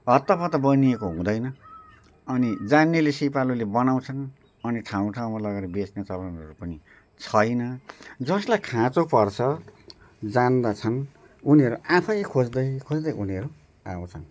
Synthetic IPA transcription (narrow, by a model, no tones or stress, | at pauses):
ʌt̪ːʌpʌt̪ʌbʌniekoɦũd̪ʌjnʌ | ʌnid͡zanːelesipalulebʌnaw̃t͡sʰʌn | ʌniʈʰaw̃ʈʰaw̃malʌɡaɾʌbeskat͡sʌpanʌɾupʌni | t͡sʰʌjnʌd͡zʌslajkʰãt͡sopʌrt͡sʰʌ | d͡zand̪at͡sʰʌn | uniɦʌɾuʔãpʰʌjkʰod͡zd̪ʌjkʰod͡zd̪ʌjʔuniʌɾu | a̰w̃t͡sʰʌn